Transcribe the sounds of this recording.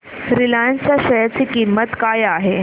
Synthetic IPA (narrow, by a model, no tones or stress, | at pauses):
ɾilant͡saɕəjat͡siːkimət̪kajaɦe